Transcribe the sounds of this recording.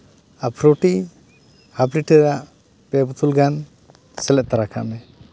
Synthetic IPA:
apʰɾoʈi | habliʈɛɾaʔ | pɛbut̪ʰulɡan | sɛlɛʔ̚t̪aɾakʰa̰mɛ

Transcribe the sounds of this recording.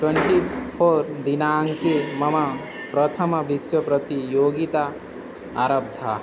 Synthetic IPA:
ʈweɳʈipʰoɾd̪inaːŋkemɐma | pɾʌt̪ʰɐmɐbiswɐpɾʌt̪ijoːɡit̪a | aɾɐb̚d̪ʱa

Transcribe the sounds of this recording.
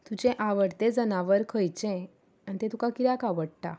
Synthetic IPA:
t̪ud͡ʑẽʔaʋəɽt̪ed͡zənaʋəɾkʰəjt͡ɕɛ̃ | anit̪ẽt̪ukakiɾjakaʋəɽʈa̰

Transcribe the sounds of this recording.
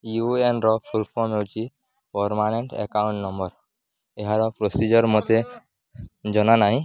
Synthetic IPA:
juenɾɔpʰuɾpʰɔmet͡ʃi | pɔɾmaneɳʈḛkaʊũɳʈnɔmbəɾ | eɦaɾɔpɾosid͡ʒɔɾmɔt̪e | d͡ʒɔnanaɦĩ

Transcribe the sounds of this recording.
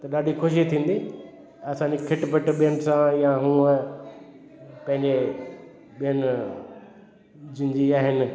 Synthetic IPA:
t̪ɐɗaːɗʱikʰʊʃ̬it̪ʰĩːn̆d̪i | ɐsãːɲd͡ʑekʰɪʈpəʈɓiənsãjãɦũːə | pɐ̃ɦɪ̃ɲd͡ʑe | ɓiənɪ | d͡ʑɪnd͡ʑiaːɦɪnɪ̆

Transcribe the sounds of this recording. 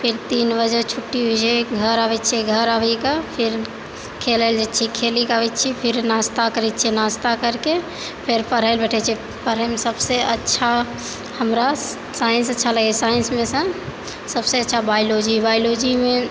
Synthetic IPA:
pʰɪɾt̪iːnbəd͡ʒət͡ʃʰʊʈːiɦod͡ʒeɡʱəɾabɛt͡ʃʰeɡʱəɾaʋikapʰɪɾ | kʰeləɪld͡ʒetːt͡ʃʰikʰelikaʋet͡ʃʰipʰɪɾnast̪akəɾɛt͡ʃʰinast̪akəɾke | pʰɪɾpəɾəɪlbɛʈʰɛt͡ʃʰii | pəɾəɪmesəbseətːʃʰa | həmɾa | saːjəns̬ətːʃʰaləɡesaːjənsmẽsə̃ | səbseətːʃʰabaɪlod͡ʒibaːɪlod͡ʒimẽ

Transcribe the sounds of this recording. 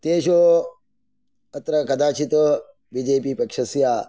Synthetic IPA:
t̪eːʃoː | ɐt̪ɾɐkɐd̪aːt͡ʃʰit̪o | bid͡ʒeːpiːpɐkʂɐsjaː

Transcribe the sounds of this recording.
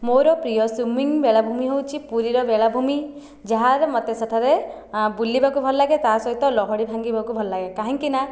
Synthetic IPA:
moɾɔpɾijɔsumiŋbeɭabʱumiɦewt͡ʃʰipuɾiɾɔbeɭabʱumi | d͡ʒaɦaɾmɔt̪esaʈʰaɾe | bulːibakubʱɔlɔlaɡet̪asɔɦit̪ɔlɔɦɔɽibʱaŋɡibakubʱɔlɔlaɡekaɦãŋkina

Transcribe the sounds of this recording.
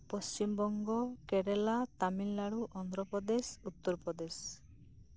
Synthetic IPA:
pɔst͡ʃimbɔŋɡɔkeɽɛlat̪aminlaɽuʔɔnd̪ɾɔpɔd̪esut̪ːɔɾpɾɔd̪es

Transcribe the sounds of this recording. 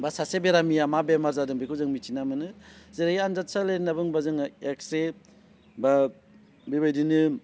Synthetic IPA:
basasebeɾamiamabemaɾzadɯŋbikʰuzɯŋmit͡ʃinamɯnɯzeɾaianzat̚salenabɯŋbazɯŋekse | ba | bibajdinɯ

